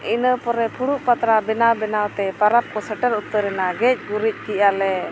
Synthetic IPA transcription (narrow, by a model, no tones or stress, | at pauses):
inəpɔɾɛpʰuɽuʔpat̪ɾabɛnawbɛnawt̪ɛpaɾap̚kɔsəʈəɾut̪ːəɾɛnaɡɛc̚ˀɡuɾic̚ˀk̪iʔalɛ